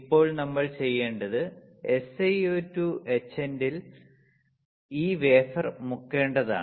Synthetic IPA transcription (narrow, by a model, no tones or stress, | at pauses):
ipːo̞ːɭnɐmːɐɭt͡ɕe̞jːe̞ːɳɖɐðɨ | e̞sejoːtːuet͡ɕːendil | iːʋe̞ːfɐrmukːe̞ːɳɖɐða̰ːɳ